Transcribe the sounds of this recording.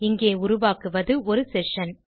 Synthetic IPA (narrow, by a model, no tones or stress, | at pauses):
ɪŋɡeːʊɾʊʋaːkɯʋɐðɯɔɾɯsɛʂɐn